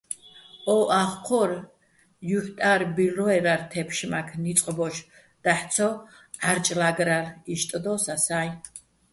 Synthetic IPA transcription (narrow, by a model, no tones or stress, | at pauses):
ɔʔaχqʰɔɾ | juħt̪ʼaɾbilɔɛɾaɾt̪ʰɛpʰʃmakʰnit̪sʼqʼbɔʃ | d̪̥aħt̪sʰɔ | ʕaɾt͡ʃʼlaɡɾaɾiʃt̪ʼd̪ɔsasaj